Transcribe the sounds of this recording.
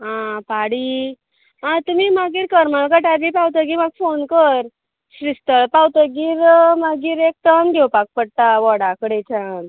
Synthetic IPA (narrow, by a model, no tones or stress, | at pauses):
ɦãpaɽi | ãt̪um̤imaɡiːɾkəɾmaɭkəʈabipawt̪əɡimaɡ̚fonkəɾ | ɕɾist̪əɭpawt̪əɡiːɾmaɡiːɾek̚t̪əmɡʱewpak̚pəɽt̪aʋɔɽakəɽet͡ɕan